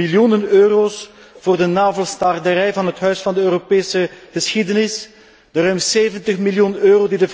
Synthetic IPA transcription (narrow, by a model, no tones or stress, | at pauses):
iljunənøːroːs | v̥oːrdənaːvəlˠstɑrdəɾɛjvɑnɦətɦœɥsfɑndəøːropeːsəɣəsxidənɪs | d̥ərœɥmseːvəntəχmiljunøːroːdidəv